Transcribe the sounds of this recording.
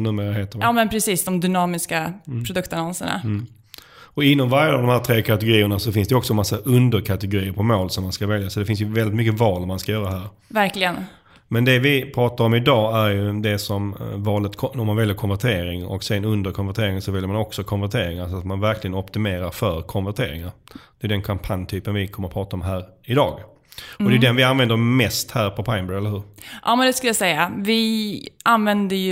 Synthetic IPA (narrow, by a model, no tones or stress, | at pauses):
nʉ̟ːmeːɾaɦeːt̪ːəɾjɑːmɛnpʰɾɛsiːsd̪ɔmd̪ʏnɑːmɪskapʰɾʊd̪ɵkt̪anɔnsəɳa̰ | ɔɪnːɔmvaɾjaavd̪ɔmhæːɾt̪ʰɾeːkʰat̪ɛɡʊɾiːəɳasɔfɪnsd̪ɛɔksɔnmasːaʔɵnd̪əɾkʰat̪ɛɡʊɾiːəɾpʰɔmoːlsɔmːanskavɛljasɔd̪ɛfɪnsjɵvɛld̪ɪt̪mʏkːəvɑːlmanskajœːɾaɦæːɾ | væɾklɪɡən | mɛnd̪ɛvɪpʰɾɑːt̪aɾɔmɪd̪ɑːæɾjɵd̪ɛsɔmvɑːlət̪kʰɔɔmːanvɛljəɾkʰɔnvæʈʰeːɾɪŋɔ̰ksɛnɵnd̪əɾkʰɔnvæʈʰeːɾɪŋsɔvɛljəmanɔksɔkʰɔnvæʈʰeːɾɪŋaɾsɔat̪manvæɾklɪɡənɔpt̪ɪmeːɾaɾfœɾkʰɔnvæʈʰḛːɾɪ̰ŋaɾd̪ɛjɵd̪ɛnkʰampʰanjt̪ʰyːpənvɪkʰɔmːəɾɔpʰɾɑːt̪aɔmɦæːɾ | ɪd̪ɑːɡ | ɔd̪ɛjʏd̪ɛnvɪanvɛnd̪əɾmɛst̪hæːɾpʰɔpʰaɪmbɛɛləɾhʉ̟ːɾʔɑːmɛnd̪ɛskɵləjasɛjːavɪanvɛnd̪əj